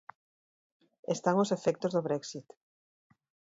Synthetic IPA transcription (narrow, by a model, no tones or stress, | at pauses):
est̪aŋosefɛk̚t̪ozðoβɾɛksit̪